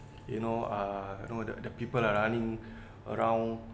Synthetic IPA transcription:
junoajṵnodə̰dəpipəlaɹanĩŋ | ə̰ɹãw̃n

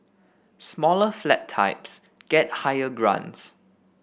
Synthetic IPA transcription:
smɔləflɛtʰːa̰ɪps | ɡ̥ɛt̚hajəɡɹã̰ns

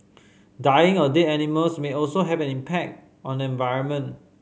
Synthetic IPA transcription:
dajɪ̃ŋɔdeɛniməlsmeɔlsoɦɛvɛ̃nĩmpʰɛk̚t | ɔ̃ndəɛ̃nvaɪɹə̃nmə̃n

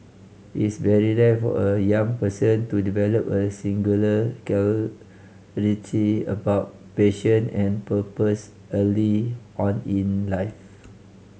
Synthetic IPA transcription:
isbɛɹidət̚fɔ̰əjãŋpəsə̃ntudivɛləpəsĩŋɡuləkɛ | ɹitʰiə̰baʊt̚peʃə̃nɛ̃npəpəs | əliɔ̃nĩnlaɪf

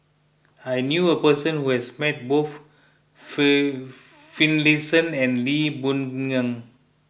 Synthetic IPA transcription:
ajnjuəpəsə̃nhuhɛsmɛt̚boθ | fĩnlisə̃nɛ̃nlibũnŋə̃ŋ

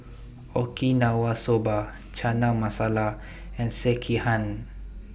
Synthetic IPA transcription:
okinawasoba | t͡ʃanamasala | ɛ̃nsekʰihãn

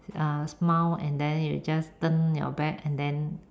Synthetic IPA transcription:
asmawɛ̰̃ndɛ̃njṵd͡ʒastə̃njɔ̰bɛk̚ɛ̃ndɛ̃n

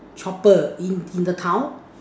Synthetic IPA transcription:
t͡ʃʰɔpəinind̪ət̪ʰaw

